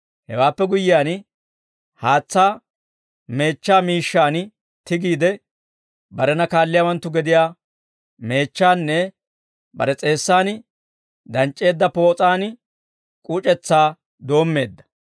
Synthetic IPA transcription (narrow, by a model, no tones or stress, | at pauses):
hɛ̰waːpːɛɡʊjɪjaːn | haːt͡sːaː | me̞ːt͡ʃːaːmiːʃːaːn | t̪ɪɡiːd̪ɛ | bɐɾɛnɐkaːlːɪjawɐnt̪ːʊɡɛd̪ɪjaː | me̞ːt͡ʃːaːnːɛ | bɐ̰ɾɛt͡sʼe̞ːsːaːn | d̪ɐnt͡ʃʼːe̞ːd̪ːɐpo̞ːt͡sʼaːn | kʼut͡ʃʼɛt͡sːaː | d̪o̞ːmːe̞ːd̪ːɐ̥